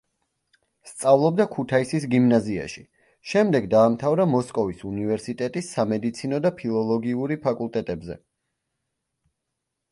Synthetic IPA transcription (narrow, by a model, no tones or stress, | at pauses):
st̪sʼavlˠɔb̚d̪akʰut̪ʰaisisɡimnazia̰ʃi | ʃɛmd̪ɛɡd̪aːmt̪ʰavɾamɔskʼɔvisunivɛɾsit̪ʼɛt̪ʼisːamɛd̪it̪sʰinɔd̪apʰilˠɔlˠɔɡiuɾipʰakʼulˠt̪ʼɛt̪ʼɛbzɛ̰